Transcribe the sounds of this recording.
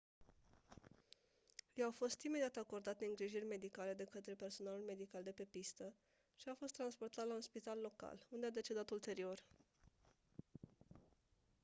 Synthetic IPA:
jawfo̞st̪imed̪iat̪ako̞rd̪at̪̚neɨŋɡɾiʒirʲme̞d̪ikale̞d̪e̞kət̪ɾe̞pe̞rso̞nalulme̞d̪ikald̪e̞pe̞pist̪ə | ʃiafo̞st̪ːɾanspo̞rt̪at̪launspit̪alːo̞ka̰lund̪e̞ad̪e̞t͡ʃe̞d̪at̪ult̪e̞ɾio̞r

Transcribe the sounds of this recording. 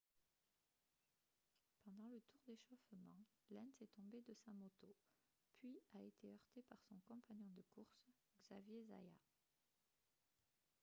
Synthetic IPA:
pɑ̃d̪ɑ̃lət̪uʁd̪eʃɔfmɑ̃ | lɛnsɛt̪ɔ̃bed̪əsamot̪o | pʰɥiaet̪ʰeœʁt̪epaʁsɔ̃kɔ̃paɲjɔ̃d̪əkuʁs | ɡzavjeza̰ja̰

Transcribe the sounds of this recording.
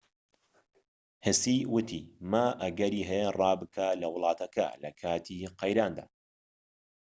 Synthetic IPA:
hɪsiwʊt̪ʰiːmɐʔɐɡɐɾiːɦɛjerˤɑːbɨkʰalɐwʊlˠɑːt̪ɐkʰɐ̰lɐ̰kʰaːt̪ʰiqɐjɾaːnd̪a̰ː

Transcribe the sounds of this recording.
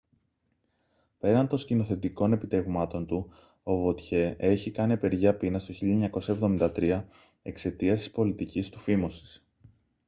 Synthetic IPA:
pe̞ɾɐnd̪o̞scino̞θe̞t̪iko̞ne̞pit̪e̞vmɐt̪o̞nt̪u | o̞vo̞t̪çe̞e̞çikɐniepe̞ɾʝɐpinɐst̪o̞çiʎɐɲɐko̞sɐevðo̞mind̪ɐt̪ɾiɐ | e̞kse̞t̪iɐst̪i̥spo̞lit̪icist̪u̥fimo̞si̥s

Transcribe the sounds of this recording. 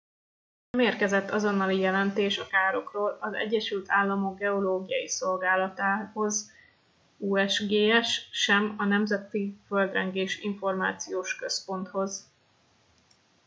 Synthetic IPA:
nnɛmeːrkɛzɛt̪ːɒzo̞nːɒlijɛlɛnt̪eːʃɒkaːɾo̞kroːlɒzɛ̰ɟːɛʃylt̪ʰaːlːɒmo̞ɡ̚ɡɛo̞loːɡijɒ̰jiso̞lɡaːlɒt̪aːho̞z | uːɛʃɡeːɛʃːɛmɒnɛmzɛt̪iføld̪rɛŋɡeːʃiɱfo̞rma̰ːt̪sijoːʃkø̞spo̞n̪t̪ho̞z

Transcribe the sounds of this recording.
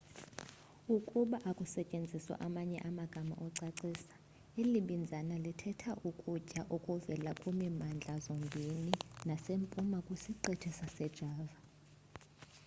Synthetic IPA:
ukʼuɓaʔakʼusɛcʼend͡zʱiswa̰ʔamaɲɛ̰ʔamaɡ̥ʱama̰ʔɔǀaǀiːsḁ | eliɓind͡zʱanalitʰɛtʰaʔukʼucʼaʔokʼuvɛlakʼumimand͡ɮʱazɔŋɡʱeninasempʼumakʼwisiǀetʰisasɛd̥ʒ̥ʱaːva

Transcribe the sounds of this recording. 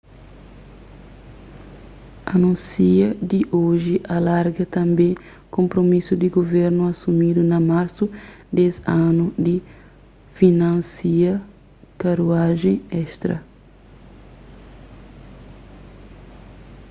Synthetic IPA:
ɐ̰nũsiɐd̪iʔoʒiʔalaɾɡɐt̪ɐ̃mbẽ | kõmpɾomisud̪iɡovɛɾnuɐsumid̪unɐmaɾsud̪ɛzanud̪i | finãnsiɐ | kaɾuaʒẽɛʃt̪ɾɐ̰

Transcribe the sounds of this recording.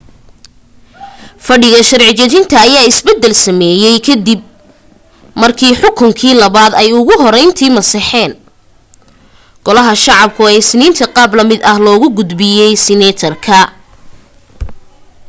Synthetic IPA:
fɐɖɪɣɐʃɐrʕɪt͡ʃɐðɪnt̪ʰɐːjaːɪsbɛd̪ːɛlsɐmɛːjɛjkʰɐd̪ib̚ | mɐrkʰiːħʊkʰʊŋkʰiːlɐβaːd̪ɛjʊɣʊɦɔɾɛjnt̪ʰiːmɐsɑħɛːn | ɡ̥ɔlɐɦɐʃɑʕɑb̚kʰʊɛsɪniːnt̪ʰɐqɑːblɐmɪd̪ɐhlɔːɣʊɡʊd̪bɪjɛjsɪnɛt̪ʰɐrkʰɐ

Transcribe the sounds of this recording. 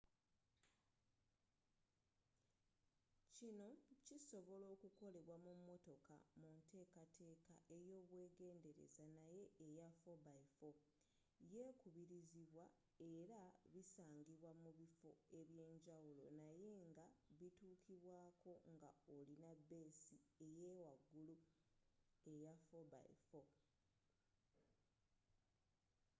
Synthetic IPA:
cino̞ciso̞βo̞lo̞ːkuko̞le̞βwamumːo̞to̞ka̰munte̞ːkatʰe̞ːka̰ʔe̞jo̞ːβwe̞ːɡe̞ːnde̞ɾe̞̰zanaje̞ːjafobaifo̞ | je̞ːkuβiɾiziβwa | e̞ɾaβisaːŋɡiβwamuβifo̞e̞βje̞ːɲɟawulo̞naje̞ŋɡaβituːkʰiβwaːkʰo̞ŋɡaolinabːe̞ːsie̞je̞ːwaɡːulu | e̞jafo̞βa̰ḭfo̞

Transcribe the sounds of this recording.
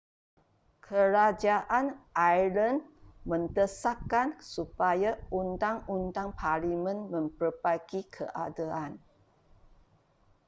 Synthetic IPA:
kʰəɾad͡ʒaʔanʔajlənmə̃nt̪əsakːansupajaunt̪aŋunt̪aŋpʰalimə̃nmə̃mpərbaɡikʰə̰ʔa̰daan

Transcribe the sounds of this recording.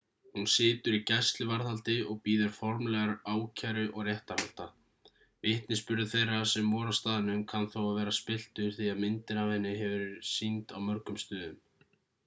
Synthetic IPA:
hunsɪːt̪ʏɾicajst̪lɪvaɾθalt̪ɪɔɣpiːðʏɾ̥fɔɾmlɛɣaɾaːwcʰaɾʏʔɔɣrjɛht̪aɾhal̥t̪a | vɪht̪nɪspʏɾðɪθejrːasɛmːɔːɾast̪aːðɪnʏmkʰanθowavɛːɾaspɪl̥t̪ʏ̥θiaðmɪnt̪ɪnavɛnːɪɦɛvʏɾsint̪awmœɾkʏmst̪ʏːðʏm

